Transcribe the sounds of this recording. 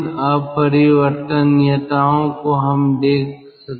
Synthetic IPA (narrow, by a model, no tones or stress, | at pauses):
əbpəɾiʋəɾt̪ənːiət̪aːõkoɦɐmd̪eːk̚ʰ | sɐk